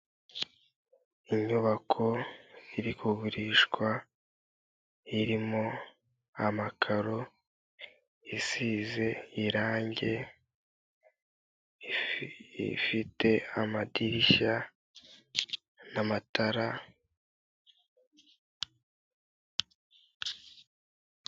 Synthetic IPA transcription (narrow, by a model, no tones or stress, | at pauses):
iɲuβakʰo̞iɾikuɡuɾiʃkwa | iɾimo̞ | amakʰaɾo | isize̞iɾaːɲɟe̞ | ḭfite̞amadiɾiʃa | namataɾa